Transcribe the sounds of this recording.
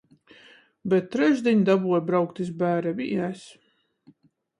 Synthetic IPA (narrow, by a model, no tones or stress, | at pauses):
bɛt̪̚ːɾɛʒd̪ʲiɲd̪abuɔjbɾawkt̪isbæːɾɛvḭæs